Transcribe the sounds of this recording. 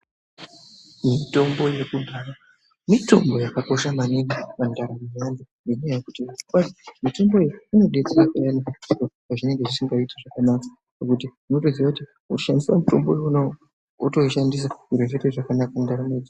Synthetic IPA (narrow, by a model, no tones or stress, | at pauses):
mito̞mbo̞je̞kubʱaːɾa | mito̞̰mbo̞jakako̞ʃamaninimandaɾameandininojaku̥tiakasimito̞mbo̞eino̞ɗet͡seakajanikaukokaʐine̞ŋɡeʐisiŋɡaitaʐakanaːkḁ | pakutiʐino̞toziwakuti | uʃandiswamuto̞mbo | toʃandis̬aiɾeʐeteʐakanakandaɾamed͡zi